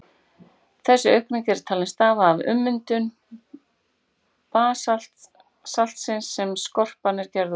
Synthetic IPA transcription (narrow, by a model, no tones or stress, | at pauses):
θɛsːʏœɥhkniŋcɛɾ̥t̪ʰaːlɪnst̪aːvaːvʏ̰mːʏnt̪ʏn | paːsa | sal̥t̪sɪnsːɛmskɔr̥panɪɾ̥cɛɾðʏ